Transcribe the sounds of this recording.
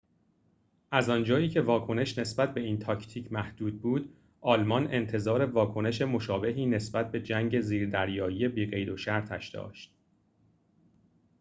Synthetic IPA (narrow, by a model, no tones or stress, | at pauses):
ʔæzɒnd͡ʒɒːiːcʰe̞vɒːkʰo̞ne̞ʃne̞sbæt̪̚be̞iːnt̪ʰɒːcʰt̪ʰiːcʰmæhd̪̥uːd̪̚buːd̪̥ | ʔɒːlmɒne̞nt̪ʰe̞zɒːɾe̞vɒːkʰo̞ne̞ʃe̞mo̞ʃɒːbe̞ɦiːne̞sbæt̪̚be̞d͡ʒæŋɟe̞ziːɾd̪æɾjɒːjiːje̞biːɢe̞jd̪o̞ʃæɾt̪ʰæ̰ʃd̪̥ɒ̰ːʃt̪̚